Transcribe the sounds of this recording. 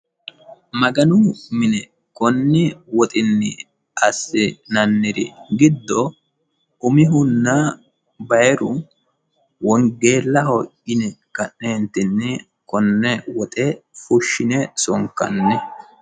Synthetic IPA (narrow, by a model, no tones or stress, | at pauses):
mɐɡɐnʊmɪnɛ | kɔnːɪwɔt̪ʼɪnːɪ̰ | ɐsːɪnɐnːɪɾɪ̰ɡɪd̪ːɔ | ʔʊmɪɦʊnːa | bɐjɛɾʊ | wɔŋɡe̞ːlːɐhɔʔɪnɛkɐʔeːnt̪ɪnːɪ | kɔnːɛwɔt̪ʼɛfʊʃːɪnɛsɔŋkːɐ̰nːɛ